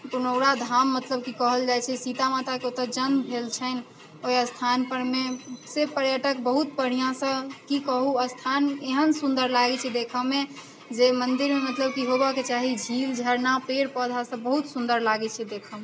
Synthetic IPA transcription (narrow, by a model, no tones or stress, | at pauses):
punəʊɽad̪ʱamːət̪ləb̚kikəɦəld͡ʒajt͡ʃʰɛsit̪amat̪akeot̪əd͡ʒənd̪bʱelt͡ʃʰən | ojəst̪ʰanpəɾmesepəɾjəʈəkbəɦut̪̚pəɽ̤ijãsə̃kikəɦuəst̪ʰaneɦənsund̪əɾlaɡɛt͡ʃʰɛd̪ekʰəme | d͡ʒemənd̪iɾmemət̪ləb̚kiɦobaket͡ʃaɦid͡ʒʱild͡ʒʱəɾnapeɾpəd̪ʱasə̃bəɦut̪sund̪əɾlaɡɛt͡ʃʰɛd̪ekʰəme